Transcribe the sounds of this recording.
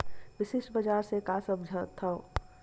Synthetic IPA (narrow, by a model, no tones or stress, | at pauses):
ʋɪʃɪʃbɐd͡ʒaːɾsekasəbd͡ʒʱət̪ʰːɐo